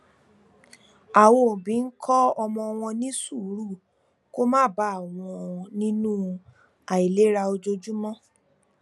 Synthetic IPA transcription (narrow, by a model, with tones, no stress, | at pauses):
a˨wo˨bĩ˨˦n̩˦kʰɔ˦ɔ˧mɔ̃˧w̃ɔ̃˧nĩ˦su˦˨˦ɾu˦˨ | ko˦mãː˦˨ba˦a˦˨w̃ɔ̃˧nĩ˦nũ˦ | a˨i˨le˨˦ɾa˧o˧d͡ʒo˧d͡ʒu˦mɔ̃˦